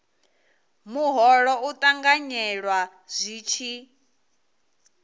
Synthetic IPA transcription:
muɦɔɺɔut̪ʼaŋɡaɲɛɺwa | z̥ʷiːt͡ʃʰi

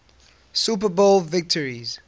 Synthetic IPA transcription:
supəbolvɪk̚tʰəɹiz̥

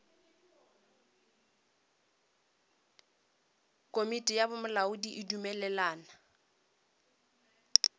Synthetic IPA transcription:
kʼomitʼijabʊmʊlaʊdiʔɪdumɛlɛlaːna

